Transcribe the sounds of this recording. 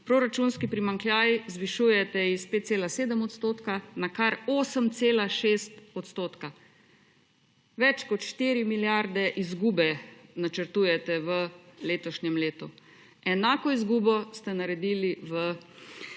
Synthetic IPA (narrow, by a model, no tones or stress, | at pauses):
pɾoɾat͡ʃunskipɾimaŋkljaːjzʋiʃuːjɛt̪ɛispeːt̪̚tseːlaseːd̪əmɔt̪st̪oːt̪kanakaɾoːsəmt̪seːlaʃeːst̪ɔt̪st̪oːt̪ka | ʋɛt͡ʃkɔt̪ʃt̪iːɾimiljaɾd̪ɛʔizɡuːbɛnat͡ʃəɾt̪uːjɛt̪ɛʋəleːt̪ɔʃɲɛmleːt̪u | ɛnaːkɔizɡuːbɔst̪ɛnaɾɛd̪iːliʋə